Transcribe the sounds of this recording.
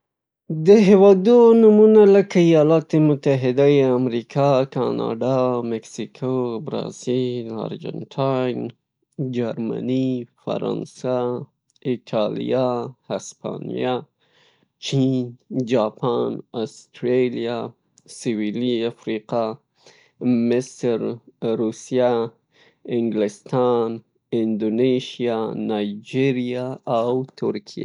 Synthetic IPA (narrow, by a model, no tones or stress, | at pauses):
d̪əɦewɑd̪onumunaləkaijɑlɑt̪emʊt̪aɦɪd̪ajeamɾikʰɑkɑnɑ̰ɖɑmɪksikʰobɾɑ̰zilɑ̰ɾd͡ʒa̰nʈʰan | d͡ʒaɾma̰nifa̰ɾɑ̰nsa | ɪʈʰɑlḭjahaspɑ̰nḭja | t͡ʃind͡ʒɑpʰɑnast̪ɾelja | sɪwiliafɾiqa | mɪsɾɾusija | ɪŋɡlɪst̪ɑn | ɪnd̪oneʃijanajd͡ʒiɾijaawt̪ʰʊɾkʰija̰